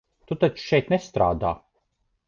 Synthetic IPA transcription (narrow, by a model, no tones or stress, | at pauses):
t̪ut̪at͡ʃu̥ʃɛjt̪nɛst̪ɾa̰ːd̪aː